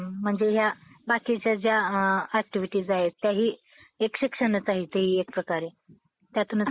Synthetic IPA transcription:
m̤əɳd͡zeɦjabakit͡ɕjad͡ʑjaæk̚ʈiʋiʈiːd͡zaɦet̪ːjaɦiː | ekɕikʂənət͡saɦiːt̪eɦiːek̚pɾəkaɾe | t̪jat̪uːnət͡s

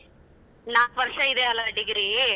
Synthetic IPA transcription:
naːkʋɐɾʂɐɪd̪eɐlːɐɾɐɽiɡiɾi

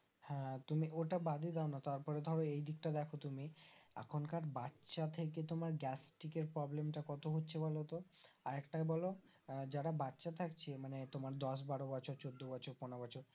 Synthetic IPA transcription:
hɛ̃t̪umiʔoʈabad̪ʱid̪ɛonat̪aɾpɔɾed̪ʱɔɾoejd̪ik̚ʈad̪ɛkʰot̪umia̰kʰonkaɾbatːʃat̪ʰeket̪omaɾɡɛsʈikeɾpɾɔblemʈakɔt̪oɦotːɕʰebɔlot̪oaɾɛkʈabɔlo | d͡ʑaɽabatːɕat̪ʰakt͡ɕʰemanet̪omaɾd̪ɔs̬baɽobɔt͡ɕʰoɾt͡ɕod̪ːobɔt͡ɕʰoɾponobɔt͡ɕʰoɾ

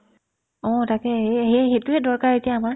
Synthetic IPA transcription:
ɔ̃takɛeɦexetʊɦɛdɔɹkaɹetijaːmaɹ

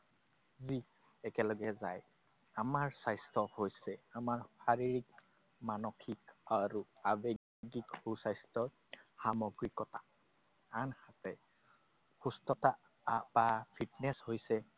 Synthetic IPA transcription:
zi | ɛkɛlɔɡɛzaj | amaɹsajstɔhojsɛamaɹpʰaɹiɹik | manɔkʰikaɹuabe | ɡikhusajstɔ | xamɔɡɹikɔta | anhatɛ | xustɔta | bapʰitnɛshojsɛ

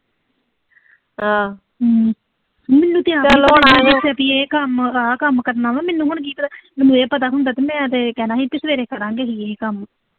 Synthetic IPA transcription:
a | mɛnːũːt̪ɪjãːnaːɪsɛp̪iːeːkəmaːkəmkət̪nãːmãːmɛnːũːɦʊɳk̬iːt̪ɾmmʊeːpət̪aːɦʊ̃nd̪aːt̪eːmɛ̃ːt̪eːkɛːnaːɦiːt̪ɪsʋeːɾeːkəɾãːŋɡeːɦiːeːkəm

